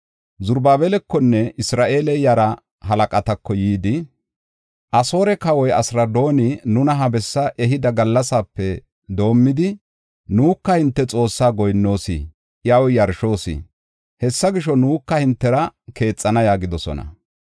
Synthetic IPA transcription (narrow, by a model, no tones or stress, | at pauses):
zʊɾbaːbɛlɛkːɔnːɛɪsɾaːʔe̞ːlɛjɐɾɐ | ɦɐlɐkʼɐt̪ɐkːɔjiːd̪ɪ | ʔɐso̞ːɾɛkɐwɔjɐsɾɐd̪o̞ːnɪnʊnɐɦɐbɛsːɐʔɛɦɪd̪ɐɡɐlːɐsaːpːɛ | d̪o̞ːmːɪd̪ɪ | nuːkːɐhɪnt̪ːɛt͡sʼo̞ːsːaːɡɔjnːo̞ːsḭ | ʔjɐwjɐɾʃo̞ːsḭ | hɛsːɐɡɪʃɔnuːkːɐhɪnt̪ːɛɾɐke̞ːt͡sʼːɐnɐjaːɡɪd̪ɔsɔ̰nɐ̰